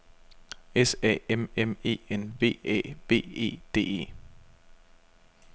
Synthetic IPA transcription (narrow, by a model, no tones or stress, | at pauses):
esɛ̰ːememe̝̰ːenʋe̝̰ːɛ̰ːʋe̝̰ːe̝̰ːd̥e̝̰ːe̝̰ː